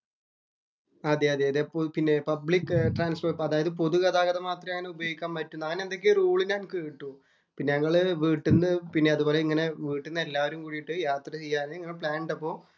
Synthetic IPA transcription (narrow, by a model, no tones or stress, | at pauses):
ɐd̪eɐd̪eɐd̪epːopinːe̞pɐbɭikːɨʈraːnsfoːɐðaːjɐðɨpo̞ðukɐðaːɣɐðɐmaːt̪rɐmaːɳɨubɐjo̞ːɡikʲːaːmpɐtːunːɐŋːɐnend̪o̞k̬ːeruːɭinɲaːnkiːʈːu | pinːeɲɐŋːɐɭɨʋiːʈːunːɨpinːeɐðuboːleiŋːɐne̞ʋiːʈːunːɨe̞lːaːʋɐɾumkuːɻijiʈːɨjaːt̪rɐt͡ɕejːaːniŋːɐne̞pɭaːɳɖɐpːo̞ː